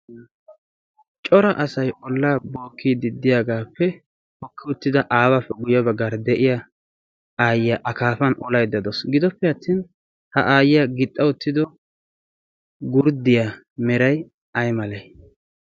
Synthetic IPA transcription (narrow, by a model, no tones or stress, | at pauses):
t͡ʃʼɔɾɐʔɐsɐjʔɔlːaːboːkʰːid̪ɪd̪ːɪjaɡaːpːɛ | hɔkːɪʊt̪ːɪd̪ɐʔaːwapːɛɡʊjɐbɐɡːaːɾd̪ɛʔɪja | aːjɪjaʔɐkaːfɐnɔlɐjd̪ɐd̪ɔsɡɪd̪ɔpːɛɐt̪ʰːiːn | hɐʔaːjɪjɐɡɪt̪ʼːɐwʊt̪ːɪd̪ɔ | ɡʊɾd̪ɪja | mɛɾɐj | ɐjmɐlɛj